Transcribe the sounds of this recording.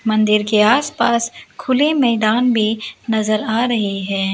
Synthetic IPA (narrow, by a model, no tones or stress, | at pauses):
mɐ̃nd̪ɪɾkeaːspaːskʰʊlemɛːd̪aːnbʱinɐzəɾaːɾɐɦiɦɛː